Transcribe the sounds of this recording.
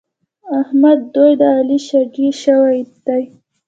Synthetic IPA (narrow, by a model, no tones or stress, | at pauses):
ahmad̪ːojd̪əaliʃaɡiʃawajt̪ːaj